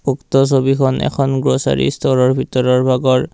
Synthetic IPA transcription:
uktɔs̬obikʰɔnɛ̰kʰɔnɡɹosa̰ɹḭstʰɔɹɔɹbʱitɔɹɔɹbʱaɡɔɹ

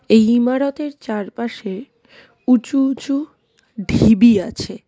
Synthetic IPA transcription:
ejimaɾot̪eɾt͡ɕaɾpaʃe | ut͡ɕuut͡ɕu | ɖʱibiat͡ɕʰe

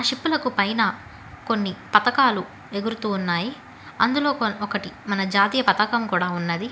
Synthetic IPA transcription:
aʂipːulɐkupɐjnɐ | ko̞nːipɐt̪ɐkaːlu | e̞ɡuɾut̪uːnːaːji | ɐ̰nd̪ulo̞ːkoɔkɐʈimɐnɐd͡ʒaːt̪iːjɐpɐt̪ɐkɐmkuːɽaːunːɐd̪i

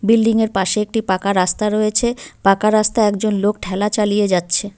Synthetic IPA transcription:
bilɖiŋeɾpaʃeek̚ʈipakaɾast̪aɾɔjet͡ɕʰepakaɾast̪aɛkd͡ʑonlok̚ʈʰɛlat͡ɕalijed͡ʑatːɕʰe

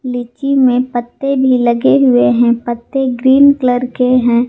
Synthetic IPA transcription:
lɪt͡ʃimẽpət̪ːebʱilɐɡeɦʊeɦɛ̃pət̪ːeɡɾiːnkləɾkeɦɛ̃ː

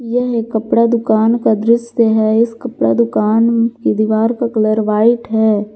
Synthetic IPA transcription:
jɛɦekːɐpɽad̪ʊkaːnkad̪ɾɪʃjeɦɛɪskɐpɽad̪ʊkaːnkid̪ɪʋaːɾkakɐləɾʋaːɪʈɦɛː

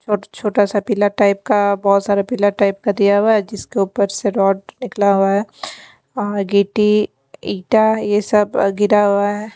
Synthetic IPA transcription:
t͡ʃʰoːt͡ʃʰoːʈasapiːlaʈaːɪp̚kabɔːt̪saːɾapiːlaʈaːɪp̚kad̪ijaɦʊaɦɛd͡ʒɪskeuːpəɾseɾɔːɖnɪklaɦuaɦɛː | ɔːɾɡeːʈi | iːʈajesɐbɡɪɾaɦuaɦɛː

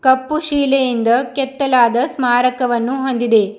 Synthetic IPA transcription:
kɐpːuʃiːlejind̪ɐkɛt̪ːɐlaːd̪ɐsmaːɾɐkɐʋɐnːuɦond̪id̪e̞

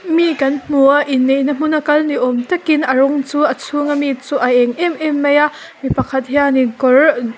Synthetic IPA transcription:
mikɐnm̥uaʔinːejnɐm̥unɐkɐlniʔɔmtɐkinɐɾɔŋt͡suʔɐt͡sʰuŋɐmit͡suʔɐʔɛŋʔɛmʔɛmːejaʔ | mipɐkʰɐt̪̚ɦianikɔɹ

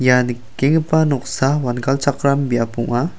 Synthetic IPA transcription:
jan | keŋəpanɔk̚sawanɡalt͡ʃakɾambiapuŋa

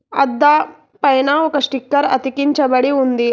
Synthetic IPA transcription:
ɐd̪ːa | pɐjnaɔkɐʂʈikːɐɾɐ̰t̪ikiɲt͡ʃɐbɐɽiund̪i

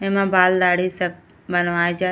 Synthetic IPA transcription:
ẽmãbaːld̪aːɽisɐb̚ | bənʋaːed͡ʒaː

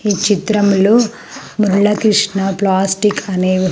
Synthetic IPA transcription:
iːt͡ʃit̪ɾɐmlu | muɾɭɐkɾiʂɳɐplaːsʈikʰɐneːʋi

